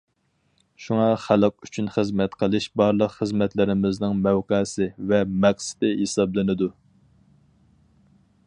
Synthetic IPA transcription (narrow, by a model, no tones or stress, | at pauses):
ʃuŋɑχælq̚yt͡ʃʰynχəzmɛt̪qʰəlˠɨʃbɑɾlˠəqχəzmɛt̪lɪɾɪmɪznɪŋmɛwqɛːsɪvɛmɛχsɪ̥d̪ɪɦesɑblˠɨnɨd̪u